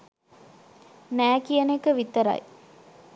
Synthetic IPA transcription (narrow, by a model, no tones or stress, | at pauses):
næːkijənekəʋit̪əɾɐ̰j